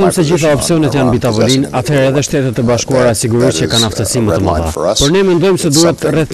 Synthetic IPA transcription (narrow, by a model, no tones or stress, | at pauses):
ɔjmsɛd͡ʑiθaɔpsiɔnɛt̪janbit̪avɔlinat̪hɛɾɛðɛʃt̪ɛt̪ɛt̪ːɛbaʃkuaɾasiɡuɾit͡ɕəkanaft̪əsimət̪əma̰ða̰pɔɾnɛmɛnd̪ɔjmsɛd̪uɦɛt̪rɛθ